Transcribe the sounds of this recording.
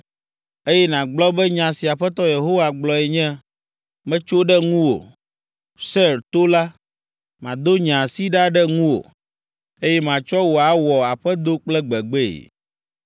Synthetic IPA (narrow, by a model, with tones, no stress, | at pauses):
e˦jɛ˦nã˨ɡ͡blɔ˦bɛ˦ɲã˨si˨a˨ɸɛ˦t̪ɔ˦je˨ɦo˦wa˨ɡ͡blɔ˨ɛ˨ɲɛ̃˦ | mɛ̃˦t͡ʃo˦ɖɛ˦ŋũ˦wo̰˨ | sɛ˦ɾt̪o˦la˦ | mã˨d̪o˦ɲã˨si˦ɖa˦ɖɛ˦ŋũ˦wo̰˨ | e˦jɛ˦mã˨t͡ʃɔ˦wo˨a˨wɔ˨a˨ɸɛ˦d̪o˦k͡plɛ˦ɡ͡bɛ˨ɡ͡bɛ˦ḛ˨